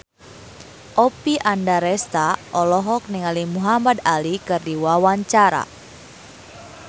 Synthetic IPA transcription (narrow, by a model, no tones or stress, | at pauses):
ʔɔpiʔandaɾɛst̪aʔɔlɔɦɔk̚niŋalimuɦamad̪alikɨrdiwawaɲt͡ʃaɾa̰